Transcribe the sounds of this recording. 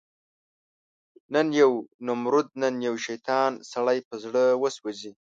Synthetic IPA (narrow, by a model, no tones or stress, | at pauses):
nənjawnʊmɾʊd̪̚nənjawʃajt̪ɑnsaɽajpəzɽəwəswazi